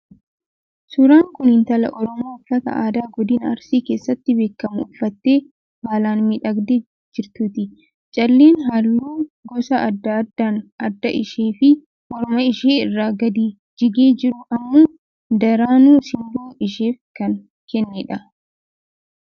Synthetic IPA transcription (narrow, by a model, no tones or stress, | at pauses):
sʊɾaːŋkʊnhɪnt̪ɐlɐ̰ʔɔɾɔmoːfɐt̪ɐ̰ʔaːd̪aːɡɔd̪iːnɐ̰ɾsiːke̞ːsːɐt̪ːɪbe̞ːkːɐmʊʊfːɐt̪ːe̞ː | haːlaːnmɪᶑɐɡd̪e | d͡ʒɪɾt̪uːt̪ɪ | t͡ʃʼɐlːeːnɦalːuːɡɔsɐʔɐd̪ːɐd̪aːnɐd̪ːɐʔɪʃeːfɪ | ʔɔɾɔmɐɪʃeːɪrːaːɡɐd̪iː | d͡ʒɪɡeːd͡ʒɪɾʊʔɐmːuː | d̪ɐɾaːnuːsɪnd̪uːɪʃeːfkɐn | kɛnːɪᶑɐ